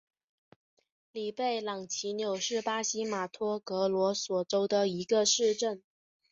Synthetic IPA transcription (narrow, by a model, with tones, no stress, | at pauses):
li˨˩pe˥˩ɪlɑ˨˩ŋt͡ɕʰi˧˥njo˨˩ʊʂɻ̩˥˩pa˥ɕi˥ma˨˩t̪ʰɔ˥kɤ˧˥lwɔ˧˥swɔ˨˩ʈ͡ʂo˥ʊd̪ə˨i˧˥ɡə˧ʂɻ̩˥˧ʈ͡ʂə˥˩n